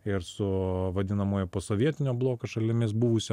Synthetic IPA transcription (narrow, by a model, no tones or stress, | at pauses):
ɪɾsʊʋɐd̪ʲɪnɐmoːjɛpoːsoːʋʲiɛt̪ʲɪnʲoːblˠoːkɐʃɐlʲɪmʲɪs̬buʋʊsʲ